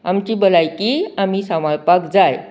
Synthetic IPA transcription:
amt͡ɕiːbəlajkiamiːsamaɭpakd͡zaj

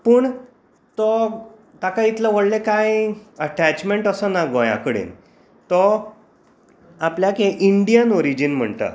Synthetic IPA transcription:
pəːɳ | t̪ɔ | t̪akait̪ləʋəɽlekajəʈæt͡ɕmeɳʈəsənaɡoja̰kəɽḛn | t̪ɔ | apljakeʔiɳɖijənɔɾid͡ʑinm̤əɳt̪ə̰

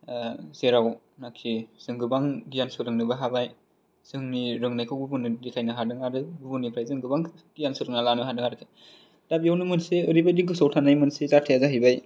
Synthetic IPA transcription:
seɾaw | nakʰiz̥ɯŋɡɯbaŋdijansɯɾɯŋnɯbaɦabaj | sɯŋniɾɯŋnajkʰɯwbubunɯdikʰajnaɦadɯŋaɾɯbubunipʰɾajzɯŋɡɯbaŋ | d̥ijansɯɾɯŋnalanɯɦadɯŋaɾɯkʰe | d̥abijawnɯmɯnseɯɾibajdiɡɯsawtʰanajmɯnsezatʰejazaɦɯjbaj

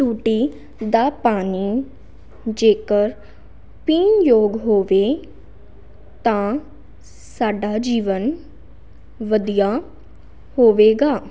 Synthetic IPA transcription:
ʈuːʈiː | d̪aːpaːniː | d͡ʒeːkəɾ | piːnjoːɡɦoːʋeː | t̪ãː | saːɖaːd͡ʒiːʋən | ʋəd̪ijaː | hoːʋeːɡaː

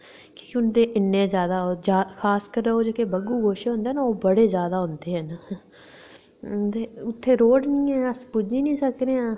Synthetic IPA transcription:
kiːkʊnd̪eːʔɪnːẽːzjaːd̪aːoːd͡ʒaːkʰaːskəɾoːd͡ʒeːkeːbəɡuːɡoːʃeɦõːnd̪eːnaːoːbəɽeːzjaːd̪aːɦʊ̃nd̪eːɦɛːn | t̪eːʊt̪ʰːeːɾoːɖnĩːɛːəspud͡ʒiːnĩːsəkɾeːãː

